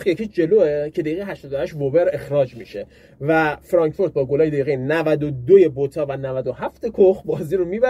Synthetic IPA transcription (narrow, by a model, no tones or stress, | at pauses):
xjecʰiːd͡ʒe̞loːecʰe̞d̪ejɣeɦæʃt̪ɒd̪ohæʃvobeɾe̞xɾɒːd͡ʒmiʃe | væfɾɒːŋcfo̞ɾt̪̚bɒːɡolɒːjed̪ejɣenævæd̪od̪oje̞bot̪ʰɒːvænævæd̪ohæft̪ekʰoxbɒːziːɾomiːbæ